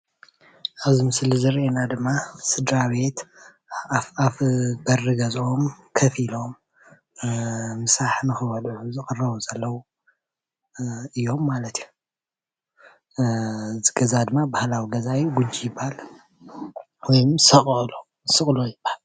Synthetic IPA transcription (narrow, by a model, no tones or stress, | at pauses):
ʔaβzimɨslizɨɾʔenad̪ɨmːasɨd̪ɾaβe̞t̪ | afbɐrːɨɡɐzo̞mkʰɐfilo̞m | ɨsaħnɨxɨβɐluzɨkʼɨrɐβuzɐlːɐwu | ɨjːo̞mːalɐt̪iju | zɨɡɐzad̪ɨmːabahlawiɡɐzajɡud͡ʒijɪbːahal | wɔjmsɐχʼlo | sɨχʼlojɪbahal